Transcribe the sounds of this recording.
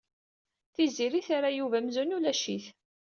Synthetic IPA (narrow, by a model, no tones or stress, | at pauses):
θiziɾiθaɾajuvæmzunulæʃiθ